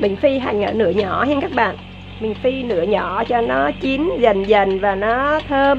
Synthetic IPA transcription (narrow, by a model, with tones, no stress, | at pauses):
ɓï˨˩ŋ̟fi˧ɦa˨˩jŋ̟ʔəː˧˩nɨ̰˧˥əɲɔ˧˩hɛ˧nkaː˦˥k̚ɓa̰ː˧˨n | ɓï˨˩ŋ̟fi˧nɨ̰˧˥əɲɔ˧˩˦t͡ɕɔ˧nɔ˨˦t͡ɕi˨˦nzə˨˩ŋzə˨˩ŋvaː˨˩nɔ˨˦t̪ʰəː˧